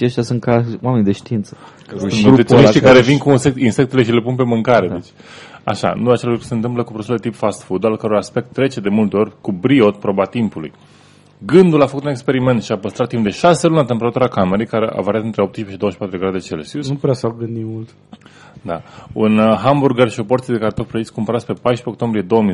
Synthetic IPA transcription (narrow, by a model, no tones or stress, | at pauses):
ʃaʃt̪jasunt̪kawame̞nid̪eʃt̪iint̪sə̥ | eoneʃt̪ikaɾevinkuːnse̞k̚t̪insek̚t̪ele̞ʃile̞punpe̞mɨŋkaɾed̪et͡ʃʲ | a̰ʃa̰nuat͡ʃelkɾesent̪ɨmpləkupɾosulet̪ipfast̪fud̪alkəɾojaspe̞k̚t̪ːɾe̞t͡ʃe̞d̪e̞mult̪e̞o̞rʲkubɾio̞t̪pɾobat̪impulṵj | ɡɨnd̪ulafəkut̪unekspeɾime̞nt̪ʃiapəst̪ɾat̪ːimpd̪e̞ʃase̞luneat̪empe̞ɾat̪uɾakame̞ɾe̞jkaɾe̞ʔa̰vaɾiat̪ɨnt̪ɾeo̞p̚t̪iʃpeʃid̪ooəʃi̥pat̪ɾud̪eɡɾad̪et͡ʃelesinupɾeasaɡɨnd̪imult̪ | d̪aunɦamburɡaɾʃiopo̞rt̪ied̪ekaɾet̪ok̪̚pɾoeksʲkumpəɾat̪ʲpe̞pajʃpe̞okt̪o̞mbɾije̞d̪owəmi